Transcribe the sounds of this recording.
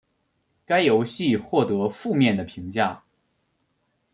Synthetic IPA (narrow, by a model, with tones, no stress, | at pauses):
ka˥ɪjo˧˥ʊɕi˥˧xwɔ˥˩t̪ɤ˧˥fu˥˧mjɛ˥˩nd̪ə˩pʰi˧˥ŋt͡ɕja˥˩